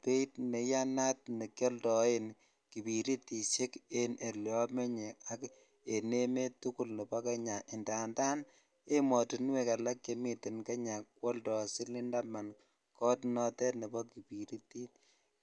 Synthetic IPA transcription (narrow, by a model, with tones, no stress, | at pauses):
pe˦tne˨ja˦na˦t̚ne˨kjɔ˦ldɔ˨e˦n | ki˨pi˨ɾi˦ti˨se˦ke˦nʔe˨ljɔ˦me˦ɲe˨a˦k | e˨ne˦me˦tu˦ku˦lne˨bɔ˦ka˦ɲa˨ʔɪ˨nda˨nda˦n | e˦mɔ˨tu˨n˦we˨ka˨la˦kje˨mi˨tɪ˨nka˦ɲa˨kwɔ˦ltɔ˨si˦li˦nda˦ma˨n | kɔ˦tnɔ˦tɛ˦ne˨bɔ˦ki˨pi˨ɾi˦ti˦t̚